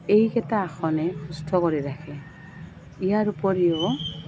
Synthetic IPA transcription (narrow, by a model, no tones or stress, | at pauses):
ejkɛtaːxʰɔnɛkʰustʰɔkɔɹiɾakʰɛ | ijaɹupɔɹijɔ